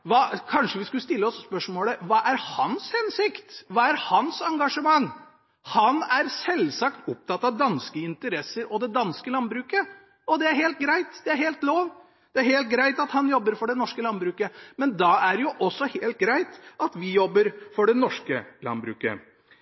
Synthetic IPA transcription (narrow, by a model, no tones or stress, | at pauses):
ʋɑːkʰɑnʂəʋɪskʉləst̪ɪlːəɔsːpœʂmoːləʋɑːʔæɾhɑnshɛnsɪkt̪ʋɑːæɾhɑnsɑŋɡɑʂəmɑŋ | hɑnæɾsɛlsɑkt̪ʊp̚t̪ʰɑt̪ːɑʋd̪ɑnskəɪnt̪əɾɛsːəɾɔd̪ɛd̪ɑnskəlɑnbɾʉːkə | ɔd̪ɛæɾɦeːlt̪̚ɡɾæɪt̪d̪̥ɛæɾheːlt̪loːʋ | d̪̥ɛæɾheːlt̪̚ɡɾæɪt̪ɑt̪hɑnjɔbːəɾfɔɖɛnɔʂkəlɑnbɾʉːkəmɛnd̪ɑæɾjʊʔɔsːɔheːlt̪̚ɡɾæɪt̪ɑt̪ʋɪjɔbːəɾfɔɖɛnɔʂkəlɑ̰nbɾʉ̰ːkə̰